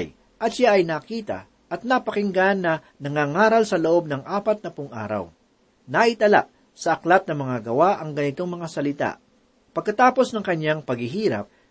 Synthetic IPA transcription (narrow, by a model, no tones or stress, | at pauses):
j | ʔɐt̪ʃaʔɐjnɐkiːt̪ɐ̰ | ʔɐt̪̚nɐpɐkɪŋɡanːɐ | nɐŋaːŋaːɾɐlsɐloʔo̞b̚nɐŋʔaːpɐt̪̚nɐpʊŋʔa̰ːɾɐ̰w | naʔɪt̪ɐla̰ʔ | sɐʔɐklat̪̚nɐmɐŋaɡɐwaʔɐŋɡɐnɪt̪oŋmɐŋasɐlɪt̪a̰ʔ | pːɐɡ̚kɐt̪aːpo̞snɐŋkɐɲːaŋpɐɡhɪɦiːɾɐ̰p̚